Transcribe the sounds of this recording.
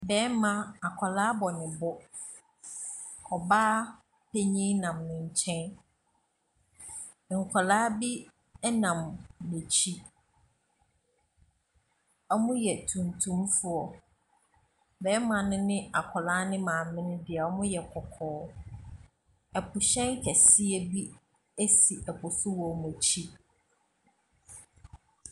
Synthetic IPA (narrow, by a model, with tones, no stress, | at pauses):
bɛː˦mã˨a˨kʰɔ˨laː˦bɔ˨nɪ̃˨bʊ˦ | kʰɔ˨baː˦ | pʰe˦ɲĩ˦nã˨mnʊ̃˨ɲ̩˨t͡ɕʰɛ̃˦n˨ | ŋ̩˨kʰɔ˨laː˦bi˦ | ɛ˦nã˨mne˨t͡ɕʰi˦ | ɔ˦mʊ̃˦jɛ˨tʰũ˨ntʰũ˦mfʊ˦ɔ˨ | bɛː˨˦mã˨nʊ̃˦nɪ̃˦a˨kʰɔ˨laː˦nɪ̃˦mãː˨mɪ̃˦nɪ̃˦dɪ˨ɛ˨ɔ˦mʊ̃˦jɛ˨kʰɔ˨kʰɔː˨˦ | ɛ˨pʰʊ˨ɕɛ̃˦ŋ˦kʰɛ˨sɪ˦e˨bi˦ | æ˦si˨ʔɛ˨pʰʊ˨sʊ˦wɔ˨m˨æ˨t͡ɕʰi˦